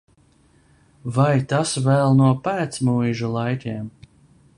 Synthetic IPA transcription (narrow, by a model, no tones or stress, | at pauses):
vajt̪asvɛlˠnuɔpæːt̪smujʒulˠajkʲɛːm